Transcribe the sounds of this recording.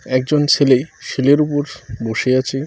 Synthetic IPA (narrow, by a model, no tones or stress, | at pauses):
ɛk̚d͡ʑont͡ɕʰelejʃeleɾupoɾboʃeat͡ɕʰe